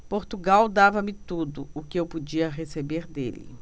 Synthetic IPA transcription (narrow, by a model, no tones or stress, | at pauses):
poɾt̪uɡawd̪avɐmɪt̪ud̪ʊʊkɪewpud͡ʒiɐɦesebeɾd̪ḛlɪ̰